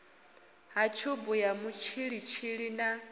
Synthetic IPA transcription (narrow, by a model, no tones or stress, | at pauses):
ɦat͡ʃʰobujamut͡ʃʰiɺit͡ʃʰiɺina